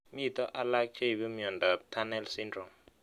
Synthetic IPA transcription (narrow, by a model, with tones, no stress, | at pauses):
mi˦i˨t̪ɔ˦ʔa˦la˦kʰɛ˦i˨βɛ˦mi˦jɔ˨nda˨tʰa˦nɛ˦lsindrɔ˨m